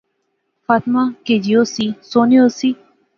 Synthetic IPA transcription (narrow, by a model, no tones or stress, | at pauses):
faːt̪maːkeːd͡ʒijoːsiːsoːnioːsiː